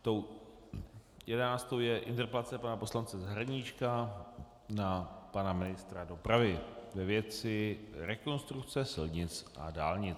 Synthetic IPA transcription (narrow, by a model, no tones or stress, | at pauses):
t̪ow | jɛdɛnaːst̪owjɛʔɪnt̪ɛɾpɛlat͡sɛpanapo̞slant͡sɛzaɦɾaɲit͡ʃka | napanamɪnɪst̪ɾado̞pɾavɪvɛvjɛt͡sɪɾɛko̞nst̪ɾukt͡sɛsɪlɲɪt͡sʔa̰daːlɲɪt͡s